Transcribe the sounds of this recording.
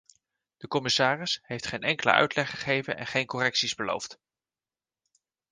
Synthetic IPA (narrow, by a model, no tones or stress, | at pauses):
d̥əkɔmɪsaːrɪsɦejftχejnɛŋkələ̰ʔœ̰ɥtlɛχəχejvənɛ̰nχejnkɔrɛksizbəlo̰wft